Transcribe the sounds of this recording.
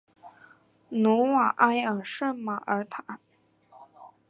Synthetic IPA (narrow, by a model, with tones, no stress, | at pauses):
nu˧˥wa˨˩ʔa˥ɪə˨˩ʂə˥˩nma˨˩ʔə˧˥t̪ʰa˨˩˦